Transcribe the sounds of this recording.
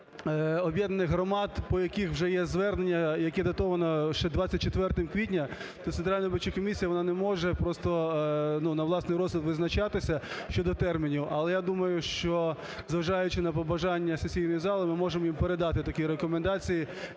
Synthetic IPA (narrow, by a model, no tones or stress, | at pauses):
ɔbʲjɛd̪nɐnɪxɦɾɔmɑd̪pɔjɐkixwʒɛjɛzʋɛrnenʲːɐjɐkɛd̪ɐt̪ɔʋɐnɔʃt͡ʃɛd̪ʋɑt͡sʲːɐt̚ʲt͡ʃet̪ʋɛrt̪ɪmkʋʲitʲnʲɐ | t̪ɔt̪sent̪ɾalʲnɐɾbɪt͡ʃːɪkɔmʲisʲijɐʋɔnɑnɛmɔʒɛpɾɔst̪ɔnunɐʋlˠɑsnɪjɾɔzlʲˠɪt̪ʋɪznɐt͡ʃɑt̪ɪsʲɐʃt͡ʃɔd̪ɔt̪ɛrmʲinʲiwʔɐlˠɛjad̪umɐjʊʃt͡ʃɔ | zʋɐʒɑjʊt͡ʃɪnɐp̬ɔbɐʒɑnʲːɐsesʲijnɔjizɑlˠɪmɪmɔʒemɔjimpeɾed̪ɑt̪ɪt̪ɐkʲiɾekɔmend̪ɑt͡sʲiji